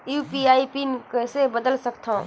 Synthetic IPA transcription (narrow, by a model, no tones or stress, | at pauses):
juːpiaːipinkəsebəd̪əlsəkt̪ʰã̰